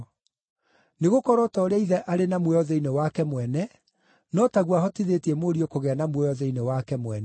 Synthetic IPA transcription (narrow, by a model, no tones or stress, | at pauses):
neɣokɔɾɔtɔɾeaiðɛʔaɾenamwɛɔðɛinewakɛmwɛnɛ | nɔtaɣwahɔtiðetiɛmoɾiokoɣɛanamwɛɔðɛinewakɛmwɛnɛ